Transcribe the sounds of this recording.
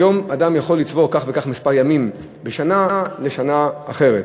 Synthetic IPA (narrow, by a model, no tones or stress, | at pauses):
jo̞mad̪amjaχo̞lːit͡svo̞kaχvekaχmispaʁjamim | beʃanaale̞ʃanaːχe̞ʁet